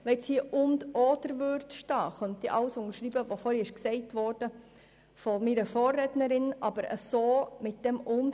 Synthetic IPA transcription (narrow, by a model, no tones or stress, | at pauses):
ʋɛshiəʔʊndoːdəɾʋørtʃtɑːχœnt̪iʔɑwsʊŋəɾʃɾiːbəʋofɔɾiɪʃksɛɪtʋɔːrd̥ə | fɔmiɾəfɔːrːɛtnəɾɪnʔɑb̥əɾə̰soːmɪt̚d̥ɛmʊn